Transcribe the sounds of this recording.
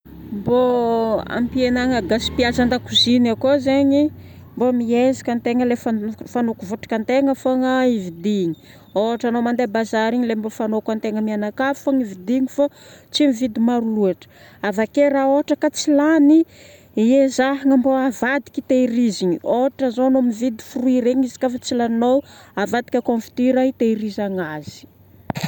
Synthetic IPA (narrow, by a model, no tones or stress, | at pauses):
mboa̰mpienaŋəɡasi̥piazand̪akuzinakozeɲimbomiezḁkʲant̪eŋəlefafanokuvoʈ͡ʂḁkant̪eŋəfaŋaivid̪iɲi̥ | oɦaʈ͡ʂanomand̪ebazaɾiɲilembofanokant̪eŋəmianakafaŋivid̪iɲifat͡simivid̪imaɾuluaʈ͡ʂə̥ | avakeɾaoaʈ͡ʂəkat͡silani | iezaɦiŋamboavad̪i̥kʲit̪eiɾiziɲioɦaʈ͡ʂəzonomivid̪i̥furuiɾeɲizi̥kafat͡silannowavad̪i̥kʲakõnfi̥t̪iɾait̪eiɾizaŋaz̥i̥